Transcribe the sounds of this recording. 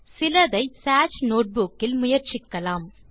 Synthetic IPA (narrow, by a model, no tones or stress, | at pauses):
sɪlɐðɐɪsaːt͡ʃnoːʈ̚bukːɪlmʊjɐɾt͡ʃɪkːɐlaːm